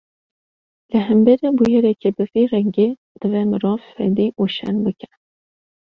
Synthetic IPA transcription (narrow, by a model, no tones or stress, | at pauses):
lɨɦɛmbɛɾebujɛɾɛkʰebɨvirɛŋɡe | d̪̥ɨvɛmɨɾɑːvfɛ̰d̪iʔuʃɛ̰nbɨkʰɛ